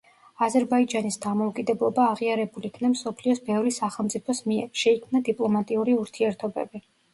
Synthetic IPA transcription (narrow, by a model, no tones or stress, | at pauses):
azɛɾbaid͡ʒanisd̪amɔukʼid̪ɛblˠɔbaːʁiaɾɛbulikʰnamsɔpʰliɔsbɛvɾisaχɛlˠmt̪sʼipʰɔsmiɛɾʃɛikʰmnad̪ipʼlˠɔmat̪ʼiuɾiuɾt̪ʰiɛɾt̪ʰɔbɛ̰bi